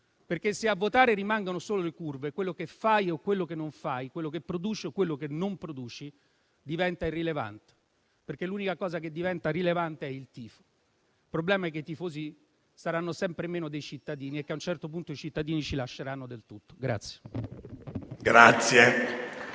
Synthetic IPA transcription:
perk̟eseavːot̪aːɾeɾimaŋɡonosoːlolekurvekwelːokefːajokːwelːokenːoɱfajkwelːokepːɾod̪uːt͡ʃeokwelːokenːompɾod̪uːt͡ʃi | d̪ivɛnt̪airːileva̰nt̪e̥ | perkelːuːnikakɔːzak̬ed̪ːivɛnt̪aɾilevant̪eɛilt̪iːfo̥ | ilpɾoblɛːmaɛkːeit̪ifoːzi | saɾanːosɛmpɾemeːnod̪ejt͡ʃit̪ːad̪iːniekːeaunt͡ʃɛrt̪opunt̪oit͡ʃit̪ːad̪iːnit͡ʃilaʃːeɾanːod̪elt̪ut̪ːo̥ɡɾa̰t̪sːje̥ | ɡɾat̪sje

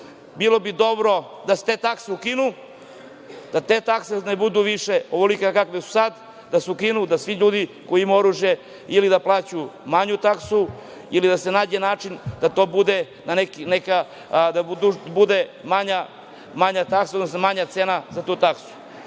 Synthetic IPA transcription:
bilobid̪o̞bɾo̞ | d̪ase̥t̪eːt̪akseukinu | d̪̥at̪eːt̪aksenebud̪uʋiʃe̞oʋolikakakʋesu̥sad̪ | d̪asukinud̪asʋiʎuːd̪ikoiimaoɾuʒje | ilid̪aplˠaːt͡ɕumaɲut̪aksu | ilid̪ase̞naːd͡ʑenaːt͡ʃind̪̥at̪o̞ːbud̪e | nanekineka | d̪aud̪ubud̪emaɲa | maɲat̪aksaod̪nosnomaɲat̪seːnazat̪uːt̪aksu̥

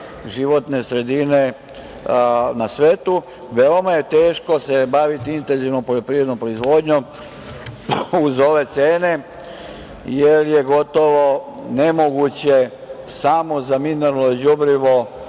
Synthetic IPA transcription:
ʒiʋo̞t̪ne̞sɾe̞d̪ine̞ | nasʋeːt̪u | ʋeomaje̞t̪e̞ːʃko̞sebaʋit̪iint̪enziʋnompoʎopɾiːɾed̪no̞mpɾo̞izʋoːd̪ɲom | uzo̞ʋe̞t̪seːne̞ | jeɾje̞ɡo̞t̪o̞ʋo̞ne̞mo̞ɡut͡ɕe | samo̞zamineɾaloid͡ʑubɾiʋo̞

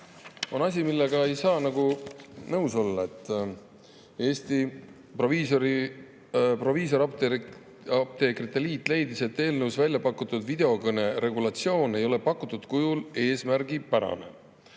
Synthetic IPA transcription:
o̞nɑs̬ʲimilːe̞ɡɑe̞jsɑːnɑɡunɤwso̞lːɑe̞t̪ːˑ | e̞ːsʲt̪i | proviːsoɾi | pro̞viːs̬o̞ɾɑ | ɑp̚t̪e̞krit̪ːeliːt̪ːˑle̞jd̪ise̞t̪ːe̞ːlnɤwsvælʲjɑpɑkːˑut̪ːud̪̥vid̪̥e̞o̞kɤne̞ɾe̞ɡulɑt̪sio̞ːne̞jo̞le̞pɑkːut̪ːˑud̪̥kujule̞ːsmæɾɡipæɾɑ̰ne̞̰

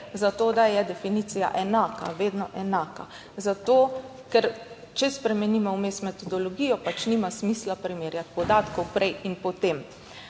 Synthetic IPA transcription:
zat̪oːd̪ajɛd̪ɛfinit̪sija̰ʔɛnaːka̰ʋeːd̪nɔʔɛnaːka | zat̪oː | kɛɾ | t͡ʃɛspɾɛmɛnimɔwmesmɛt̪ɔd̪ɔloɡijɔpat͡ʃnimasmiːslapɾimeːɾjat̪̚pɔd̪aːt̪kɔwpɾʔɛjinpɔt̪em

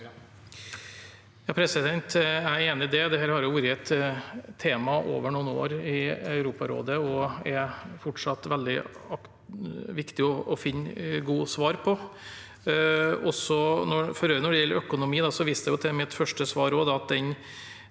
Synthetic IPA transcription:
jɑːpʰɾɛsɪd̪ɛnt̪æeːnɪɪd̪eːd̪ɛhæːɾhɑɾjʊʋuːɾɪəɛt̪ʰː | eːmɑʔo̰ːʋəɳuːno̰ːɾɪɑʉɾuːpɑɾo̰ːd̪əɔɛfɔʈʂɑt̪ːʋɛld̪ɪɑ | ʋɪkt̪ɪɔʔɔfɪnːɡuːsʋɑːɾpʰɔ | ɔsɔnɔfɔɾøːənɔɖɛjɛlːəɾœkʊnʊmiːd̪ɑsɔʋiːst̪ɛjʊt̪ʰɛmɛt̪fœʂʈəsʋɑːɾɔd̪ɑɑt̪̚d̪ɛn

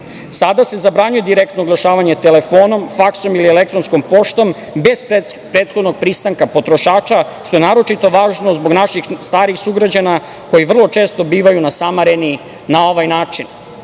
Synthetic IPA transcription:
sad̪ase̞zabɾaɲuje̞d̪iɾek̚t̪nouɡlˠaʃaːʋaɲe̞t̪ele̞fo̞ːno̞mfakso̞milielek̚t̪ɾonsko̞mpo̞ʃt̪o̞m | be̞zpɾeːt̪xod̪no̞ɡ̚pɾiːst̪aŋkapo̞t̪ɾoʃaːt͡ʃaʃt̪o̞je̞naːɾo̞t͡ʃit̪o̞ʋaːʒno̞zboɡnaʃixst̪aːɾixsuɡɾad͡ʑana | ko̞jiʋr̩lˠo̞t͡ʃeːst̪o̞biːʋajunasamaɾeni | nao̞ʋajnaːt͡ʃin

